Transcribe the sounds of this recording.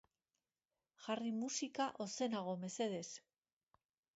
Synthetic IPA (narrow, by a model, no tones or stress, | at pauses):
ʝarimusikaʔo̞se̞naɣ̞o̞me̞se̞ð̞e̞s